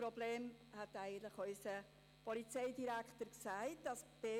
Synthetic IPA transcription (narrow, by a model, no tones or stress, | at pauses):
ɾɔbleːmhɛtæɪɡən̩tlɪχœʏsə | pɔlit͡seɪdiɾæktəɾksæɪt̚d̥ɑsb̥eː